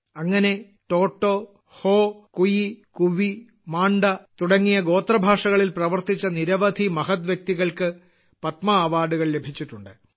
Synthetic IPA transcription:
ɐŋːɐne̞ | ʈo̞ːʈːo | ho̞ːkujikuʋi | maːɳɖɐt̪uɽɐŋːijɐɡo̞ːt̪rɐbʱaːʂɐɣɐɭilprɐʋɐrt̪it͡ɕːɐniɾɐʋɐd̪ʱimɐɦɐt̪ʋjɐk̚t̪iɣɐɭkɨ | pɐt̪mɐːʋaːɽuɣɐɭle̞bʱit͡ɕːiʈːuɳɖɨ

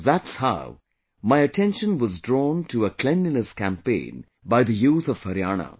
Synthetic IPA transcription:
ðætshaʊ | maɪɨtʰɛ̃nʃə̃nwʌzdɹɔːntʰuəkʰl̥ɛ̃ndiləskæ̃mpḛ̃ɪ̃n | baɪðəjuːθʌv̥həɾianə̰

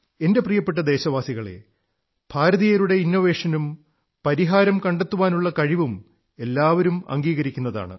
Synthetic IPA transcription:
ende̞prijɐpːe̞ʈːɐd̪e̞ːɕɐʋaːsiɣɐɭe̞̰ | b̥ʱaːɾɐðijɐɾuɽe̞inːo̞ʋe̞ːʂɐnum | pɐɾiɦaːɾɐmkɐɳɖet̪ːuʋaːnuɭːɐkɐɻiʋum | e̞lːaːʋɐɾumɐ̰ŋɡiːɣɐɾikʲːunːɐða̰ːɳɨ̰

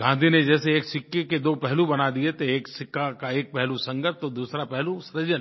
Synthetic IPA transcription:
ɡãːnd̪ʱined͡ʒɛːseeːksɪkːeked̪oːpɛɦlubɐnad̪iet̪ʰeeːksɪkːakaeːk̚pɛɦlusɐ̃ŋɡəʈ̚t̪od̪uːsɾapɛɦlusɾəd͡ʒən

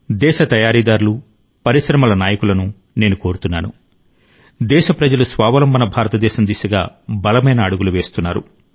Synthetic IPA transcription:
d̪ɛːʃɐt̪ɐjaːɾiːd̪aːɾulu | pɐɾiʃɾɐmɐlɐnaːjɐkulɐnu | ne̞ːnuko̞ːɾut̪unːaːnṵ | d̪ɛːʃɐpɾɐd͡ʒɐlusʋaːʋɐlɐmbʱɐnɐbʱaːɾɐt̪ɐd̪ɛːʃɐmd̪iːsɐɡa̰ːbɐlɐmɐjnɐːɽuɡuluʋe̞ːst̪unːaːɾṵ

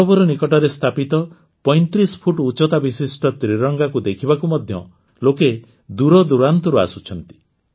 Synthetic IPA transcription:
ɔbɔɾɔnikɔʈɔɾest̪ʰapit̪ɔ | pɔjnt̪ɾispʰuʈut͡ʃɔt̪abisisʈɔt̪ɾiɾɔŋɡakud̪ekʰibakumɔd̪ʱjɔ̰ | loke | d̪uɾɔd̪uɾant̪ɔɾua̰sut͡ʃʰɔnt̪i̥

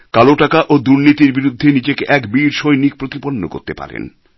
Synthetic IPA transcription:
kaloʈakaʔod̪uɾnit̪iɾbiɾud̪ʱːenid͡ʑekeʔɛkbiɾʃojnik̚pɾot̪iponːo̰ko̰ɾt̪epa̰ɾḛn

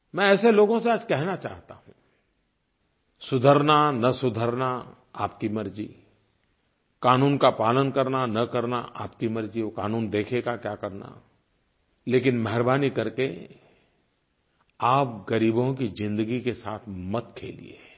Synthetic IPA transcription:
mɛ̃ɛːseloːɡõseaːd͡ʒkɛɦnat͡ʃaːɦt̪a̰ɦũ | sʊd̪ʱəɾnanɐsʊd̪ʱəɾna | a̰ːp̚kimɐɾd͡ʒḭ | kaːnuːnkapaːlənkɐɾnanɐkɐɾna̰ʔaːpkimɐɾd͡ʒikaːnuːnd̪eːkʰeɡakjaːkɐɾna̰ | leːkɪnmɐɦɪɾbaːnikɐɾke | aːp̚ɡəɾiːbõkizɪ̃nd̪əɡikesaːt̪ʰmɐt̪kʰḛːlḭḛ

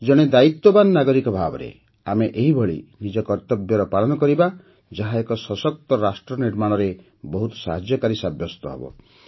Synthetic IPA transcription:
d͡ʒɔɽ̃ed̪ait̪wɔbanːaɡɔɾikɔbʱabɔ̰ɾḛ | a̰meʔeɦibʱɔɭḭnid͡ʒɔkɔɾt̪ɔbjɔɾɔpaɭɔnɔkɔɾiba | d͡ʒaɦaekɔsɔsɔk̚t̪ɔɾasʈɾɔniɾmaɽ̃ɔɾe | bɔɦut̪ɔ̥sa̰ɦad͡ʒjɔkaɾisabjɔst̪ɔɦɔ̰bɔ̰

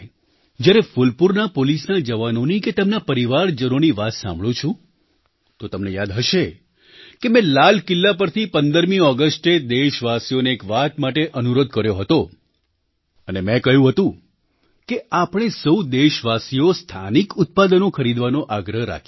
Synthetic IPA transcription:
d͡ʒjaɾefulpuɾnapolisnad͡ʒəʋanoniket̪əmnapəɾiʋaɾd͡ʒənoniʋat̪sã̰mbɭũt͡ʃʰũ | t̪ot̪əmnejad̪ɦəʃe | kemɛ̃lal̤kɪlːapəɾt̪ʰipənd̪əɾmĩɔɡəsʈed̪eʃʋasijoneːkʋat̪maʈeʔənuɾod̪kəɾjoɦət̪o | ənemɛ̃kəɦjũɦət̪ũ | keapɽ̃esəwd̪eʃʋasijost̪ʰanikʊt̪̚pad̪ənokʰəɾid̪ʋanoʔaɡɾəɦɾa̰kʰ

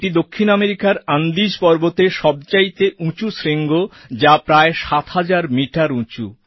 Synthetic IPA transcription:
ʈid̪okʰːinameɾikaɾand̪id͡ʑpɔɾbot̪eʃɔb̚t͡ɕait̪eʔũt͡ɕusɾeŋɡod͡ʑapɾaeʃat̪had͡ʑaɾmiʈaɾũt͡ɕu

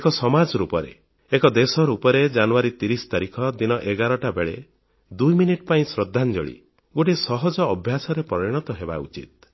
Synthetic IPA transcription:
ekɔsɔmad͡ʒɔɾupɔɾḛ | ekɔd̪esɔɾupɔɾed͡ʒanuaɾit̪iɾist̪aɾikʰɔd̪inɔʔeɡaɾɔʈabeɭe | d̪ujminiʈpaĩsɾɔd̪ʱːand͡ʒɔ̰ɭḭ | ɡoʈ̬isɔɦɔd͡ʒɔːbʱjasɔɾepɔɾiɽ̃ɔt̪ɔɦeba̰ṵt͡ʃḭt̪̚

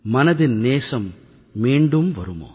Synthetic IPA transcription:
mɐnɐðɪnneːsɐmː | iːɳɖɯmʋɐ̰ɾɯmo̰ː

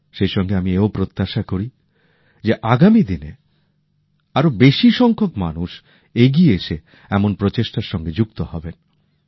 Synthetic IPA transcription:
ʃejʃɔŋɡeamieopɾot̪ːaʃakoɾi | d͡ʑeʔaɡamid̪ine | aɾobeʃiʃɔŋkʰokma̰nuʃ | eɡieeʃe | ɛmonpɾot͡ɕeʃʈaɾʃɔŋɡed͡ʑukt̪ohɔben

